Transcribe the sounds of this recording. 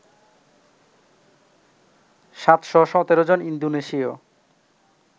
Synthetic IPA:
ʃat̪ʃɔʃɔt̪eɾod͡ʑonind̪oneʃio

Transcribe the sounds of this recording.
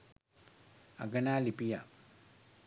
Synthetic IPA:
a̰ɡɐnaːlipija

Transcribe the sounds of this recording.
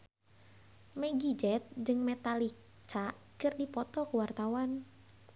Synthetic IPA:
mɛɡid͡ʒɛt̪̚d͡ʒɨŋmɛt̪alik | t͡ʃaʔ | kɨrdipɔt̪ɔkəwart̪awan

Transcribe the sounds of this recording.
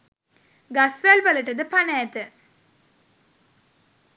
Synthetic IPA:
ɡasʋalʋələʈəd̪əpanɛjt̪ə

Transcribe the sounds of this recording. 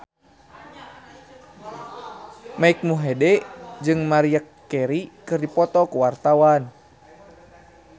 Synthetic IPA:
maik̚muɦɛdɛd͡ʒɨŋmaɾiakːɛɾikɨrdipɔt̪ɔkuwart̪awan

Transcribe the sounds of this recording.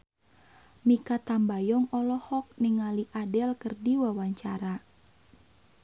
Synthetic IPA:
mikat̪ambajɔŋɔlɔhɔk̚niŋaliʔadɛlkərdiwawaɲt͡ʃaɾa

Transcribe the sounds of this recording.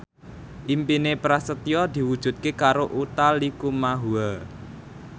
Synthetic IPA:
ʔimpinepɾasət̪iɔd̪̥i̤wud̥ʒ̥ṳt̪̚kekaɾoʔut̪alikumaɦua

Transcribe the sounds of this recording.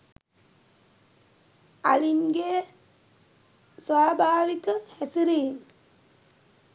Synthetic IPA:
aliŋɡejə | sʋaːbʱaːʋikəhæsiɾiːŋ

